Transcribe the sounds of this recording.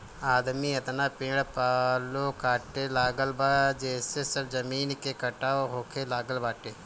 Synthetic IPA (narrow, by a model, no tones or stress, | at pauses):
aːd̪miːət̪naːpɪ̃ːɽpaːlokaːʈːeːlaːɡəlbaːd͡ʒeːsesəbzəmiːnkekəʈaːoɦoːkʰeːlaːɡəlbaːʈeː